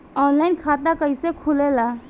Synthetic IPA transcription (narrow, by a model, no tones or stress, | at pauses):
ɔːnlaɪnkʰaːt̪akəisekʰʊlelaː